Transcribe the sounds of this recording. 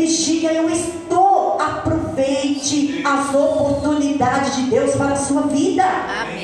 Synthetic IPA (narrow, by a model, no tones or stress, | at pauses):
ist͡ʃikɐewɪst̪oapɾovejt͡ʃɪ | aopoɾt̪unid̪ad͡ʒɪd͡ʒɪd̪ewspaɾɐsuɐvid̪ɐ